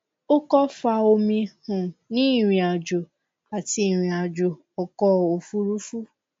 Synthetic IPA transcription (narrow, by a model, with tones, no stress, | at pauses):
o˦kɔ˦fa˧o˧mĩ˧hũ˨nĩ˨˦i˦˨ɾ̃ĩ˧a˨d͡ʒo˨ | a˨ti˧˦i˨ɾ̃ĩ˨˧a˨d͡ʒo˨ | ɔ˨kɔ˦o˨fu˦ɾu˦fu˦